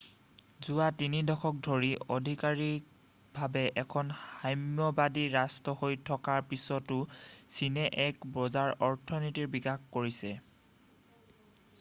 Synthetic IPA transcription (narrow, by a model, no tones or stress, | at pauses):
zʊwatinidɔkʰɔk̚dʱoɹiɔdʱikaɹik | bʱabɛʔɛkʰɔnajmɔbadiɹastɔhojtʰɔkaɹpisɔtʊsinɛʔɛkpɹɔzaɹɔɹtʰɔnitiɹbikaxkoɹisɛ